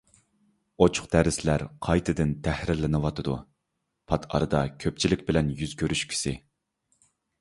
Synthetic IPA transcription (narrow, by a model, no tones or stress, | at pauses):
ot͡ʃʰʊ̥χqd̪̥æɾɪslæɾqʰɑjt̪ʰɨd̪ɪnt̪ʰæhɾɪlɪnɨwɑt̪ʰɨd̪u | pʰɑt̪ʰɑ̰ɾɨd̪ɑkʲʰøp̚t͡ʃʰilɪk̚ʲbɪlɛnjyzkʲʰøɾyʃkʲʰi̥sɪ